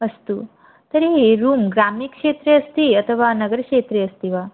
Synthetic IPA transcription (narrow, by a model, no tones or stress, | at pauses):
əst̪u | t̪əɾiɾumɡɾamikʂet̪ɾeəst̪iət̪ʰəʋanəɡəɾkʂet̪ɾeəst̪iʋa